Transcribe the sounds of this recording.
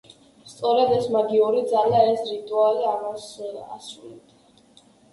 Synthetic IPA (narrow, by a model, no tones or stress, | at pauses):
st̪sʼɔɾad̪ɛsmaɡiuɾid̪zaliaɛsɾit̪ʼualiamasa̰sɾulɛb̚d̪a